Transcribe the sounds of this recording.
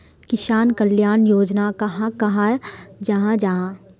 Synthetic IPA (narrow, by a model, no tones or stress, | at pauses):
kɪʃaːnkɐljaːnjoːd͡ʒnakɐɦãkɐɦad͡ʒaɦãd͡ʒaɦã